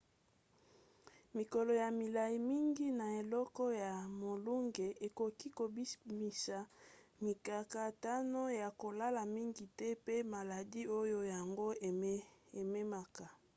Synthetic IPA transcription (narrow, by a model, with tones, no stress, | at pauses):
mi˨kɔ˨lɔ˨ja˨mi˨la˨ji˨mi˦ŋɡi˦na˨e˨lɔ˦kɔ˦ja˨mo˨lu˦ŋɡe˨ʔe˨ko˨ki˦ko˨bi˦mi˨sa˨mi˨ka˨ka˨ta˦no˦ja˨ko˨la˦la˨mi˦ŋɡi˨tɛ˦pe˦ma˨la˨di˦o˦jo˦ja˨ŋɡo˦ | e˨me˦ma˨ka˨